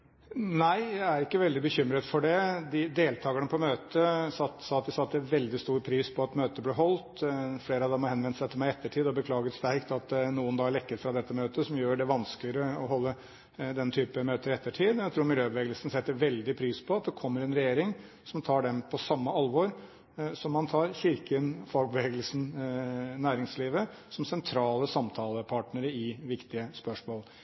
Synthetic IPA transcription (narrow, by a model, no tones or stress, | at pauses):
næɪjæɪæɾɪkːəʋɛld̪ɪbəçʏmːɾət̪fɔɖɛd̪ɪd̪eːlt̪ʰɑːɡəɳəpʰɔmøːt̪əsɑt̪sɑːɑt̪d̪ɪsɑɑt̪̚d̪ɛæʋɛld̪ɪst̪uːɾpʰɾiːspʰɔɑt̪møːt̪əblɛɦɔlt̪fleːɾəɑʋd̪ɛmɔhɛnʋɛnəsæɪt̪ʰɪlmæɪɛt̪ːəʈʰiːd̪ɔbəkʰlɑːɡət̪st̪æɾkt̪ɑt̪nuːənd̪ɑːɭɛkːəɾfɾɑd̪ɛt̪ːəmøːt̪əsɔmjøːɖɛʋɑnsklɪəɾəɔɦɔlːə | d̪ɛnt̪ʰyːpəmøːt̪əɾɛt̪ːəʈʰiːd̪jæt̪ʰɾuːɾmɪljøːbəʋeːɡəlsn̩sɛt̪ːəʋɛld̪ɪpʰɾiːspʰɔɑt̪̚d̪ɛkʰɔmːəɾɛnɾɛjeːɾɪŋ | sɔmt̪ʰɑːɖɛmpʰɔsɑmːəɑlʋɔɾ | sɔmːɑnt̪ʰɑːɾçɪɾkənfɑɡ̚bəʋeːɡəlsn̩ | næːɾɪŋsliːʋə | sɔmsɛnt̪ʰɾɑːləsɑmt̪ʰɑːləpʰɑʈnəɾəɪʋɪkt̪ɪəspœʂmoːl